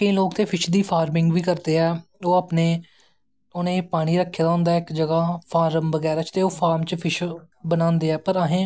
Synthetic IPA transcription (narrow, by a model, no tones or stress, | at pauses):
keĩːloːkt̪eːpʰɪʃd̪iːpʰaːɾmɪŋɡʋiːkəɾd̪eːɛːoːapneː | ʊnẽːpaːɽ̃iːɾəkʰːeːd̪aːɦʊ̃nd̪aːɪkd͡ʒəɡaːpʰaːɾəmʋəɡɛːɾat͡ʃt̪eːoːpʰaːɾmt͡ʃpʰɪʃ | bənãːnd̪eːɛːpəɾəɦẽː